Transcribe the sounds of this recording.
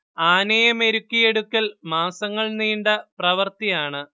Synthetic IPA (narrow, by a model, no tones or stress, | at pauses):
aːnɐjɐme̞ɾukːije̞ɽukʲːɐlmaːsɐŋːɐɭniːɳɖɐprɐʋɐrt̪ijaːɳɨ